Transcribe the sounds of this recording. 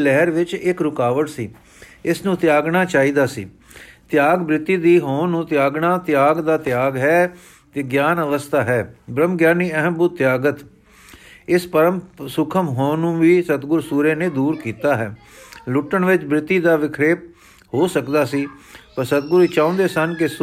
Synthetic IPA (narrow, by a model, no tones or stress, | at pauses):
lɛɦəɾʋɪt͡ʃɪkɾʊkaːʋəʈsiː | ɪsnũːt̪jaːɡɳaːt͡ʃaːiːd̪aːsḭː | t̪ɪjaːɡbɾɪt̪ːiːd̪iːɦõːnũːt̪ɪjaːɡɳaːt̪ɪjaːɡd̪aːt̪ɪjaːɡɦɛː | t̪eːɡjaːnəʋəst̪ʰaːɦɛːbɾəmɡjaːniːəɦəmbʊt̪̚t̪ːjaːɡət̪ | ɪspəɾəmsʊkʰəmɦõːnũːʋiːsət̪ɡʊɾsuːɾeːnẽːd̪uːɾkiːt̪aːɦɛ̰ː | lʊʈːəɳʋɪt͡ʃbɾɪt̪ːiːd̪aːʋɪkʰɾeːp̚ | hoːsəkd̪aːsiːpəɾsət̪̚ɡʊɾɪt͡ʃãːõnd̪eːsənkɪs